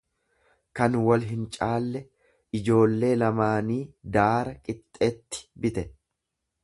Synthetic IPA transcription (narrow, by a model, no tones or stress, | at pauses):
kɐnwɐlɦɪnt͡ʃʼaːlːɛ | ɪd͡ʒo̞ːlːe̞ːlɐmaːniːd̪aːɾɐkʼɪt̪ʼːeːt̪ːɪ̥bɪt̪ɛ